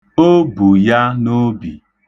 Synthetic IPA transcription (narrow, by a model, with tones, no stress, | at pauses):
o˦bu˨ja˦no˦bi˨